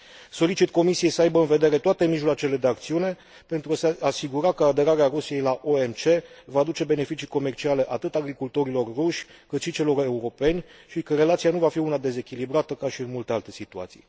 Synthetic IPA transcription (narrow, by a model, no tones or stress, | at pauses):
so̞lit͡ʃit̪ko̞misije̞jsəajbəɨnve̞d̪e̞ɾe̞t̪oat̪e̞miʒloat͡ʃe̞le̞d̪e̞ak̚t̪siune̞ | pe̞nt̪ɾuaseasiɡuɾakəad̪e̞ɾaɾeaɾusije̞jlaʔo̞e̞mt͡ʃe̞vaːd̪ut͡ʃe̞be̞ne̞fit͡ʃijko̞me̞rt͡ʃiale̞ʔat̪ɨt̪aɡɾikult̪o̞ɾilo̞rːuʃʲkɨt̪ʃit͡ʃe̞lo̞ɾe̞uɾo̞pe̞nʲʃikəɾe̞lat̪sianuvafiunad̪e̞ze̞kʲilibɾat̪əkaʃiɨnmult̪ealt̪e̞sit̪ua̰t̪sḭj